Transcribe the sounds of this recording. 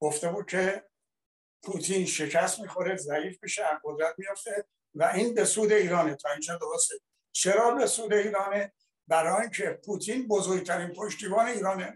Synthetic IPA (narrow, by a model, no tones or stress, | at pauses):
ɡ̥oft̪e̞buːd̪̚kʰe̞ | pʰut̪ʰiːnʃe̞kʰæst̪miːxo̞ɾe̞zæiːfbiʃeæɡo̞d̪ɾæt̪̚ʰmijoft̪e̞ | væʔiːnbe̞suːd̪e̞iːɾɒːnet̪ʰɒːint͡ʃʰed̪oɾost̪e | t͡ʃʰeɾɒːbe̞suːd̪e̞iːɾɒːne | bæɾɒːjiːnkʰepʰuːt̪ʰinbozoːɾɡ̚t̪ʰæɾinpʰo̞ʃt̪iːbɒːne̞iːɾɒːne